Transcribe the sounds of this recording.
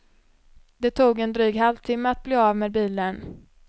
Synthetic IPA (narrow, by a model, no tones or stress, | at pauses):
d̪̥ɛt̪ʰuːɡɛnd̪ɾyːɡɦalvt̪ʰɪmːəat̪̚bliːavmeːd̪̚biːlən